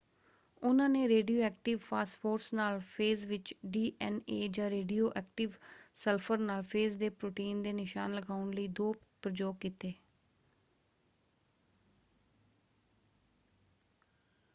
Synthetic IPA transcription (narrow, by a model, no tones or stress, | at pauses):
ʊnãːneːɾeːɖijoːɛːk̚ʈɪʋpʰaːsʈfʰoːɾsnaːlpʰeːzʋɪt͡ʃɖiːʔɛneːd͡ʒãːɾeːɖijoːʔɛːk̚ʈɪʋsəlpʰəɾnaːlpʰeːzd̪eːpɾoːʈiːnd̪eːnɪʃa̰ːnləɡaːʊnləiːd̪oːpəɾd͡ʒoːkiːt̪eː